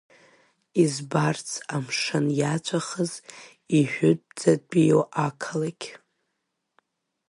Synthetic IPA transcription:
izbart͡sʰamʂanjat͡ʃʷʰaχəz | iħʷᶣʊt̚ʼd͡zad̚bijoʔakʰalakʲ

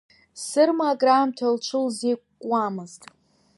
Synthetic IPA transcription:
sɨrmaɡraːmtʰalt͡ʃʷʰɨlzejkʷʼkʷʼːamɨztʼ

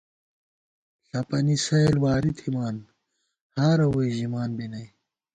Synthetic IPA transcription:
ɬɐpɐnisɐlwaːɾit̪ʰimaːn | haːɾɐwojʑimaːnbinɐj

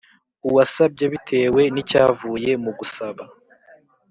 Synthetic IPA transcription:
uwasab̚ɟeβitʰe̞ːwe̞nicaːvuːje̞muɡusaβa

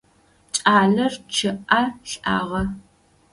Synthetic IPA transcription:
t͡ʃʼaːɮɐrt͡ʃʰɨʔaɬa̰ːʁɐ

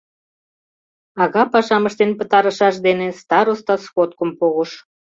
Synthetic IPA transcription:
ɑɣɑpɑʃɑməʃt̪enpət̪ɑɾəʃɑʃd̪enest̪ɑɾost̪ɑskot̪̚kə̆mpoɣoʃ

